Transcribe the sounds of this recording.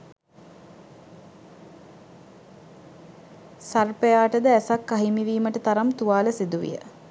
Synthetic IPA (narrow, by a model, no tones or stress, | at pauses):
sarpejaːʈəd̪əæsakːaɦimiʋiːməʈət̪aɾamt̪uʋaːləsid̪uʋḭjə̰